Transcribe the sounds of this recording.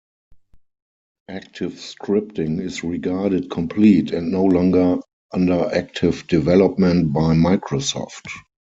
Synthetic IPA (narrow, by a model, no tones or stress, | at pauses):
ʔæk̚tʰɪfskʰɹɪp̚tɪ̃ŋɪsɹiɡaːɾət̚kʰɔ̃mpʰliːtʰɛ̃ntnoʊlɔ̃ŋɡə˞ | ʔãndə˞ʔæk̚tʰɪvdivɛlɔpmɛ̃nt̚baɪmaɪkʰɹosɔ̰ft